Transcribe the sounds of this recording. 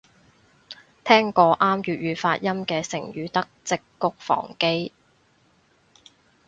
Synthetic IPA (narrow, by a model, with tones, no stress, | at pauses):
t̪ʰɛː˥ŋkɔː˧ʔaː˥mjyː˨˧t̚ɥyː˨˧faː˧t̚jɐ˥mkɛː˧sɪ̰˨˩ŋjyː˨˧t̪ɐ˥k̚t͡sɪ˨kːʊ˥k̚fɔ̰ː˨˩ŋke˥j